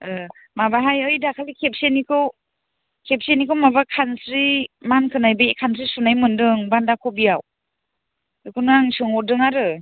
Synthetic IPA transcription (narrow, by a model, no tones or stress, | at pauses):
ɯ | mabaɦajɯjdakʰalikʰep̚senikʰɯw | kʰep̚senikʰɯwmabakʰansɾimankʰɯnajbekʰansʰɾisunajmɯndɯŋbandakʰɔbijaw | ɯkʰunaŋsɯŋɔdɯŋaɾɯ